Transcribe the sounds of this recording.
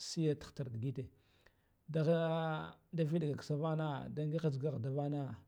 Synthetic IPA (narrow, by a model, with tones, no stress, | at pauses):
si˦ja˦tḁ˨˦xta˨ɾdi˨ɡi˦te˨ | da˦ | da˦vi˦ɗɡa˨ksa˦va˦na˦da˦ŋɡi˦a˦d͡ʒɡa˦ɣda˨va˦na˦